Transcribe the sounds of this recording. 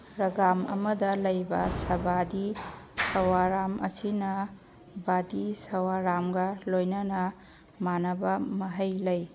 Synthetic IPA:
ɾɐɡamɐ̰mɐdɐlɐjbɐsɐbadisɐwaɾamʔɐ̰sinɐ | badisɐwaɾamɡɐlojnɐnɐ | manɐbɐmɐɦɐjlɐj

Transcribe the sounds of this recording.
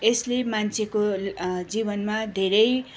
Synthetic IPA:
eslemant͡sʰekod͡zibʌnmad̪ʱeɾʌj

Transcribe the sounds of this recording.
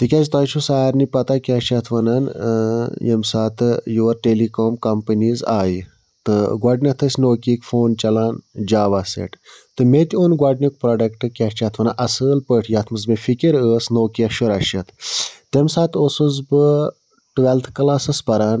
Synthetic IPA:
t̪ikʲazt̪aːt͡ʃʰusaːɾnipɐt̪akʲat͡ʃʰɐt̪ʰʋɐnan | jḛmsaːt̪ɨjuʋɐɾʈeːlikoːmkɐmpɐniːzaːji | t̪ɨɡwaɖnʲɐt̪ʰəsʲnoːkʲikʲfoːnt͡ʃɐlaːnd͡ʒaːʋaːsḛʈt̪ɨmet̪ʲionɡʷwaɖnʲikpɾoːɖɐkʈɨkʲaːt͡ʃʰat̪ʰʋɐnaʔɐsəːlpəʈʰjaːt̪ʰmɨzmefikʲiɾəːsnoːkiɐʃuɾɐʃɐt̪ʰt̪emsaːt̪osɨzbɨ | ʈʋelt̪ʰkɐlaːsɨspɐɾaːn

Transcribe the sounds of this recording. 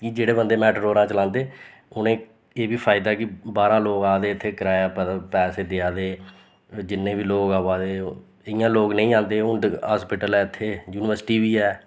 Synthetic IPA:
kid͡ʒeːɽeːbənd̪eːmɛːʈɾoːɾãːt͡ʃəlãːnd̪eː | ʊnẽː | eːbiːpʰaːɪd̪aːkɪbaːɾãːloːɡaːd̪eːɪt̪ʰːeːkəɾaːjaːppɛːseːd̪ɪaːd̪eː | d͡ʒɪnːẽːbiːloːɡaːʋaːd̪eː | ɪjãːloːɡnə̃ĩːãːnd̪eːʊ̃ɦaːspɪʈəlɛːɪt̪ʰːeːjuːnɪʋəɾsʈiːʋiːɛː

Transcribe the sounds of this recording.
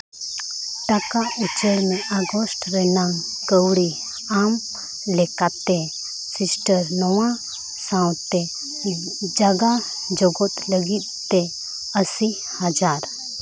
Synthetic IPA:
ʈakaut͡ʃəɽmẽʔaɡosʈɾenãŋ | kəwɽi | aːm | lekat̪e | sɪsʈəɾnɔwã | sãwt̪e | d͡ʒaɡa | d͡ʒoɡot̪ləɡi | t̪e | əsi | həd͡ʒaːɾ

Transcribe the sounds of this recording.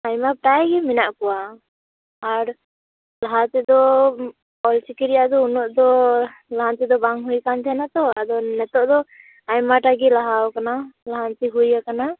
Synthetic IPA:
ajmapʈajɡɛminaʔkɔwaː | ɾ | laɦat̪ɛd̪ɔ | ɔlt͡ʃikiɾijaʔd̪ɔunɔʔd̪ɔlaɦant̪id̪ɔbaŋɦujkand͡ʒ̪ʰɛnat̪ɔad̪ɔnɛt̪ɔʔd̪ɔ | ajmaʈaɡilaɦawkanalaɦant̪iɦujakana

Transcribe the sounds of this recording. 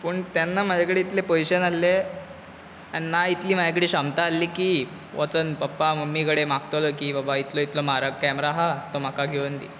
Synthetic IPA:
pəːɳt̪janːam̤ad͡ʑakəɽeit̪lepojɕənalːe | aninait̪liːm̤ad͡ʑak̬əɽiːɕamt̪aːlːiːkiː | ʋət͡sənpəpːaməmːikəɽemaɡt̪olokiːbabait̪loit̪lom̤aɾəkɛmɾaɦat̪om̤akaɡʱeʋənt̪ḭː

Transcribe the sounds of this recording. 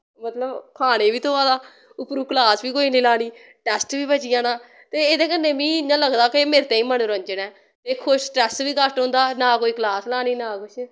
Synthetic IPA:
mət̪ləbkʰaːɽ̃ẽːʋiːt̪oːaːd̪aː | ʊpɾuːklaːsʋiːkoːiːneːlaːniː | ʈɛːsʈʋiːbət͡ʃɪjãːnãː | t̪eːed̪ẽːkəɾnːeːmĩːɪɲãːləɡd̪aːkɪmeːɾet̪ẽːĩːmənɾə̃ɲd͡ʒnɛː | t̪eːkʰʊʃʈɛːsʋiːkəsʈɦʊ̃nd̪aːnaːkoːiːklaːslaːniːnaːkʊʃ

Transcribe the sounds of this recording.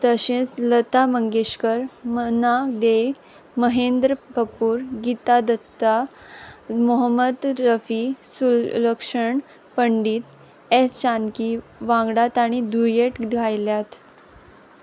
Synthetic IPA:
t̪əɕẽt͡slət̪aməŋɡeɕkəɾmənad̪eɡ | məɦend̪ɾəkəpuːɾɡit̪ad̪ət̪ːa | mɔɦəmːəd̪ɾəfisuləkʂəɳ | pəɳɖiːt̪ | est͡ɕankiʋãŋɡɽat̪aɽ̃id̪uɾjeʈɡʱajljat̪

